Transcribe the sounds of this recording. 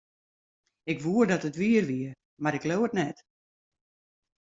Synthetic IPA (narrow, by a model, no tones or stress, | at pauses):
ɪkʋuərdɔtətʋiərʋiə | maɾɪkloːətnɛt